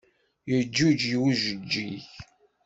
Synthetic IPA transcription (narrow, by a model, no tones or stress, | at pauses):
jəd͡ʒːud͡ʒjiwuʒəd͡ʒːiç